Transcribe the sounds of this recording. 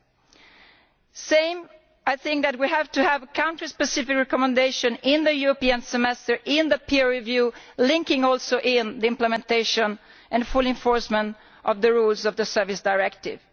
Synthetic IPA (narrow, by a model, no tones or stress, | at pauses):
sẽɪ̃m | ajθɪ̃ŋk̚ðæt̚wiɦævtuhævkʰãʊ̃ntɹispɛsɪfɪkɹɛkɔmɛ̃ndeɪʃɔ̃nɪ̃nðəjuɹɔpiə̃nsɛmɛstəɹʔɪ̃nðəpʰiɹivjulɪ̃ŋkɪ̃ŋɔlˠsoʔɪ̃nðiɪ̃mpləmɛ̃nt̪eɪʃɔ̃n | ʔɛ̃nfʊlɪ̃ɱfɔɹsmə̃nt | ʔɔvðəɹulzɔvðəsɛɹvɪsdaɪɹɛkt̪ɪ̰v̥